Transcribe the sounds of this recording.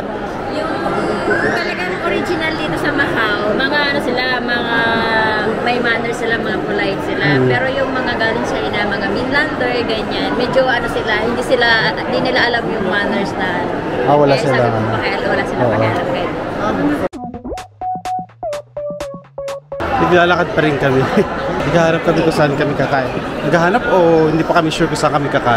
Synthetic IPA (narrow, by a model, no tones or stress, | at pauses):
jʊŋŋt̪ɐlɐɡanɐŋʔoɾid͡ʒɪnɐld̪iːt̪o̞sɐmɐhawmɐŋaʔɐno̞sɪlamɐʔa | mɐjmanɛɹsɪlamɐŋapʊlajt̪sɪlapɛːɾo̞jʊŋmɐŋaɡanʊnsajnɐmɐŋafɪnland̪ɛɹɡɐɲanmɛd͡ʒoʔɐno̞sɪlahɪnd̪iːsɪland̪inɪlaʔɐlamjʊŋmanɛɹst̪alʔawɐlasɪlaŋɐnaaʔɛlwɐlasɪlaoːʔoɐpɪd̪̚ʔo | nɐɡlaːlɐkad̪̚pɐɾɪnkɐmɛnɐɡhahaːnɐp̚kɐmɪkʊsɐʔankɐmɪkɐkaːʔɪnnɐɡhaɦaːnɐpohɪnd̪iːpɐkɐmɪʃuɹkʊsaaŋkɐmɪkɐkaː